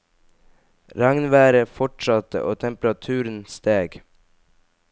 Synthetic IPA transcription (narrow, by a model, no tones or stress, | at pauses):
ɾɑŋnʋæːɾəfɔʈʃɑt̪ə̰ʔoːt̪ʰɛmpɾɑt̪ʰʉːɾn̩st̪eːɡ